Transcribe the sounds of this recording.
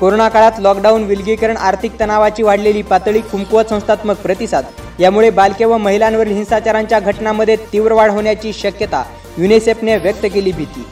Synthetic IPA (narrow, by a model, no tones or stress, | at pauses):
koɾonakaɭat̪lɔkɖaunʋilɡikəɾəɳaɾt̪ʰik̚t̪ənaʋat͡ɕiːʋaɽleliːpat̪ɭiːkʰumkuʋət̪sə̃w̃st̪ʰat̪məɡ̚pɾət̪isad̪ | jamuɭebalkeʋəməɦilãnʋəɾilɦĩnsat͡ɕaɾaɲt͡ɕjaɡʱəʈnaməd̪ʱːjet̪iʋɾəʋaɽ̤əʋɳjat͡ɕiːɕəkjət̪a̰ | junisepneʋjək̚t̪əkeliːbʱit̪ḭː